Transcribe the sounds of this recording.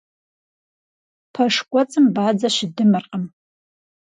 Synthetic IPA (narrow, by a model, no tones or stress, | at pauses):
pʰaʂkʷʼat͡sʼɨmbʕad͡zaʃɪdɨmɨrqʼəm